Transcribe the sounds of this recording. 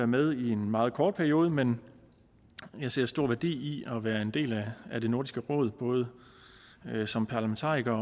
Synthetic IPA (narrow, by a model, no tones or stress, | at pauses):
æɐmeð̞ˠie̝nmɑ̈ːð̞̩ˠkʰɒːd̚pʰæɐio̝ːð̞ˠəmen | jɑ̈ɪse̝ɐ̰sd̥o̝ɐ̰ʋæɐd̥ḭːiɒ̽ʋæːɐe̝nd̥e̝̰ːlææd̥e̝no̝ɐ̰disɡ̥əʁɔ̰̽ːð̞ˠb̥ɔ̽ːð̞̩ˠə | sɒ̽mpʰɑ̈læment͡sʰɑ̰̈ːʁiɡ̥ɐ